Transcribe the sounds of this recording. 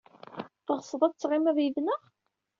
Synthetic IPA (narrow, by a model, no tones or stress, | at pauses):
θəʁəsˤəðˤæt͡sːʁɪmæðjiðnəʁ